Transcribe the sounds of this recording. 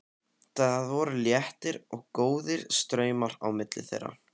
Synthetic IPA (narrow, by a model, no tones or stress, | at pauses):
θaðaðvɔɾʏljɛht̪ɪɾɔɣkoːwðɪɾ̥st̪ɾœːɥmaɾa̰wmɪt̪lɪ̰θḛjɾːa̰